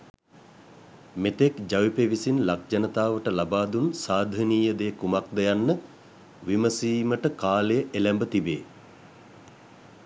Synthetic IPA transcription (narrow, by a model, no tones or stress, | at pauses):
met̪ekd͡ʒaʋipeʋisinlak̚d͡ʒɐnət̪aːʋəʈəlabaːd̪unsaːd̪ʱəniːjəd̪ejːkumak̚d̪ejanːə | ʋiməsiːməʈəkaːləjəʔelɛmbət̪ibḛː